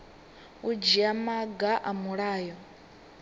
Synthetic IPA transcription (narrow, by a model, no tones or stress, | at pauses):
ud͡ʒiamaɡaʔamuɺaːjɔ